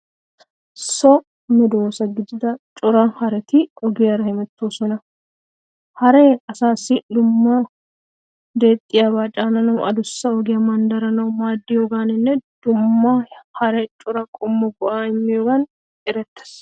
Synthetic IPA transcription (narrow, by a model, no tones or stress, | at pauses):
sɔ | mɛd̪oːsɐɡɪd͡ʒ̪ɪd̪ɐt͡ʃʼʊɾɐnhɐɾɛt̪ɪɔɡɪɐɾɐhɪmɛt̪ːoːsɔnɐ | hɐɾɛɐsaːsːɪd̪ʊmːa | d̪e̞ːt̪ʼːɪjabaːt͡ʃʼaːnɐnɐwʔɐd̪ʊsːɐɔɡɪjɐmɐnd̪ɐɾɐnɐwmaːd̪ːɪjoːɡaːnɪnːɛd̪̥ʊmːahɐɾɛt͡ʃʼʊɾɐkʼʊmːɐɡʊʔaːɪmːɪjoɡɐn | ɪɾɛt̪ːɐ̥s